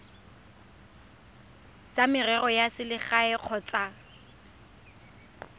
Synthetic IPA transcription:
t͡sʼamɪrɛrɔjasɪlɪχaɛq͡χʰɔt͡sʼa

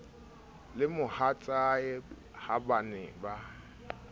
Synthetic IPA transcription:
lɪmʊhat͡sʼaɪ | habanɪba

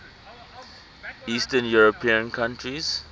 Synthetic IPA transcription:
istə̃njuɹɔpʰĩə̃nkʰãntʰɹiz̥

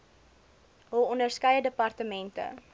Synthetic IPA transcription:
ɦuɔndərskɐjədəpɐrtəmɛntə̰

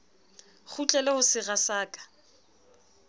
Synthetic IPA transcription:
χut͡ɬʼɛlɛhʊsɪɣasaːkʼḁ

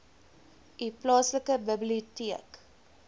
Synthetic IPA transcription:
iplɑːsləkəbəbliutiək

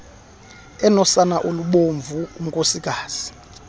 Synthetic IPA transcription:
ɛnɔsanaʔoluɓoɱvuum̩kʼosiɡ̥ʱaːz̥i̥

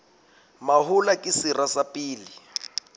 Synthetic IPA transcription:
mahulakʼɪsirasapʼiːli

